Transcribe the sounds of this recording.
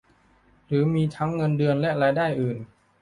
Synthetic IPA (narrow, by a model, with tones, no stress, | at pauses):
ɾɯː˩˦miː˧t̪ʰa˦˥ŋːɤ˧ndɯ˧ənlɛ˦˥ʔɾaː˧jdaː˥˩jʔɯː˨˩n